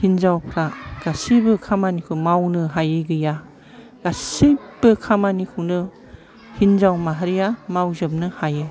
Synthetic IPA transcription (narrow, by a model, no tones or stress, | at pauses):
hinzawpʰɾaɡ̥asibɯkʰamanikʰɯmawnɯɦajɯɡɯja | ɡ̥asib̥ɯkʰamanikʰɯwnɯ | hinzawmaɦaɾijamawzɯp̚nɯhajɯ